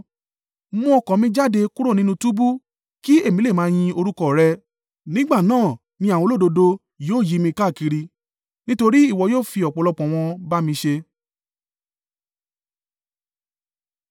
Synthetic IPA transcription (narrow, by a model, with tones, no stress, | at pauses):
mɔ̃˧˦ɔ˧kɔ̃˨mĩ˧d͡ʒa˦˨de˧ku˦ɾo˦˨nĩ˦nũ˧tu˦bu˦ | ki˦e˦˨mĩ˦le˦˨mãː˨˦˧j̃ĩ˧o˧ɾu˦kɔ˦˨ɾɛ˦˧ | nĩ˦ɡ͡ba˦˨nãː˦˨ | mĩ˧a˨w̃ɔ̃˨˧˦lo˦˨do˧do˧ | joː˦˨ji˨˦mĩ˧ka˦˨ki˧ɾi˧ | nĩ˦to˧ɾi˦i˦˨wɔ˧joː˦˨fi˧ɔ˨k͡pɔ˨˧lɔ˧k͡pɔ̃˨w̃ɔ̃˧ba˦mĩ˧ʃe˧